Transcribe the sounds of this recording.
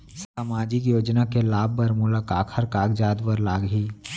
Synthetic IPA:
səmaːd͡ʒɪk̬joːd͡ʒnakelaːb̚ːəɾmulakaːkʰəɾkaːɡd͡ʒaːd̪bəɾlaːɡɦiː

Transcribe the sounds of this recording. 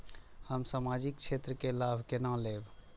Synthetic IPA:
həmsamad͡ʒik̚t͡ʃʰet̪ɾəkelabʱkenãleb

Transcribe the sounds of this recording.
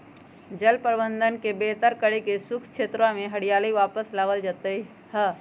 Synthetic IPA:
d͡ʒəlpəɾbə̃nd̪ʱənkebeɦt̪əɾkəɾekesʊkʰt͡ʃʰeːt̪ɾãmẽɦəɽijaːliʋaːpəslaːʋəld͡ʒat̪əi | hə

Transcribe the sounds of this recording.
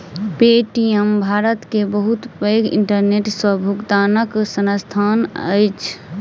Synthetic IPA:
peʈiembʱaɾət̪kebəɦut̪pəjɡḭɳʈəɾneʈswəbʱuɡd̪anəksənəst̪ʰanə̰jt͡ʃʰ

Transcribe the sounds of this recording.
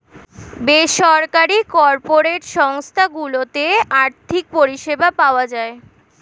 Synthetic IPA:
beʃɔɾkaɾikɔɾpoɾeʈʃɔŋst̪ʰaɡulot̪eaɾt̪ʰik̚poɾiʃebapaoad͡ʑae

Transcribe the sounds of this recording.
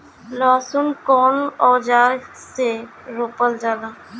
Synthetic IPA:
lɔːsʊnkɔːnɔːd͡ʒaː | se | ɾoːpəld͡ʒaːlaː

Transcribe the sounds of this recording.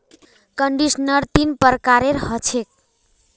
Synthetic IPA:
kʌɳɖisnʌɾt̪inpəɾkaɾeɾhʌt͡sʰek̚

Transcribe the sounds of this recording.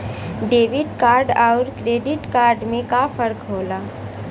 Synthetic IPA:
ɖeːʋɪɖkaːɾɖaʊɾkɾeːɖɪʈkaːɾɖmẽkafəɾkɦoːlaː

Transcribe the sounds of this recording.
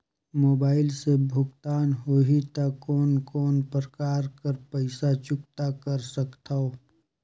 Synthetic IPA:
moːbaːɪlsebʱʊɡt̪aːnɦoɦit̪akɔːnkɔːnpɾəkaːɾkəɾpɛɪsat͡ʃʊkt̪akɐɾsɐkt̪ʰaoː

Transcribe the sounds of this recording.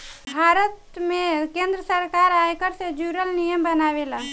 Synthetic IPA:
bʱaɾət̪mekẽnd̪ɾəsəɾkaɾajkəɾsẽd͡ʒuɾəlnijəmbənaʋela

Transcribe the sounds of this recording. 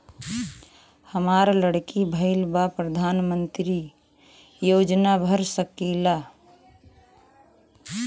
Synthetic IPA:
həmaɾləɽkibʱəɪlbapɾəd̪ʱanmənt̪ɾi | jod͡ʒnabʱəɾsəkila

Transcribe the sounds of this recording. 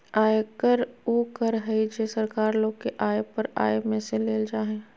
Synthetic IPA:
aːekəɾoːkəɾɦəid͡ʒeːsəɾkaːɾloːɡkeʔaːepəɾa̰ːemẽseleːld͡ʒaːɦẽː

